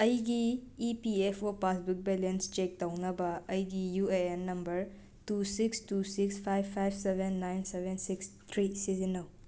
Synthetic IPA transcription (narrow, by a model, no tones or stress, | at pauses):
ɐjɡiːpiepʰopasbuk̚belenst͡ʃek̚tɐwnɐbɐɐjɡijueenːɐmbɐɾ | tusikstusikspʰajbʰajbʱsebʱenːajnsebʱensikst̪ʰɾisizinɐw